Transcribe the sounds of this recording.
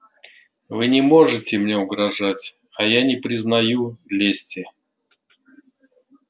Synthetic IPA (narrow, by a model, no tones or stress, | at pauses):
vɨnʲɪmo̞ʐɨtʲɪmnʲeʊɡɾaʐatʲ | ajanʲɪpɾʲɪznajud̪lʲesʲtʲɪ